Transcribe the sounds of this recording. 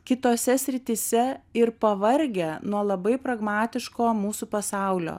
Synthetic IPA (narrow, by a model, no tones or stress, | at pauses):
kʲɪt̪oːsʲɛsʲɾʲɪt̪ʲisʲɛɪɾpɐʋɐɾʲɡʲɛnuɔlˠɐbɐɪpɾɐɡmɑːt̪ʲɪʃkoːmuːsupɐsɑˑʊlʲo̰ː